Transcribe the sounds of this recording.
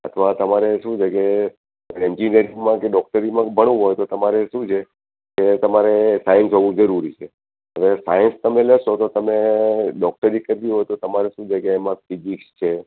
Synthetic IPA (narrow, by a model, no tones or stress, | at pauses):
ə̰t̪ʰʋat̪əmaɾeʃũt͡ʃʰeke | ɛɲd͡ʒiniəɾiŋmãkeɖɔk̚ʈəɾimãbʱəɽ̃ũɦojt̪ot̪əmaɾeʃũt͡ʃʰe | ket̪əmaɾesajənsɦoʋũd͡ʒəɾuɾit͡ʃʰe | əʋesajənst̪əmeləʃot̪ot̪əmeɖɔk̚ʈəɾikəɾt̪iɦojt̪ot̪əmaɾeʃũd͡ʒʰekeːmãfid͡ʒikst͡ʃʰe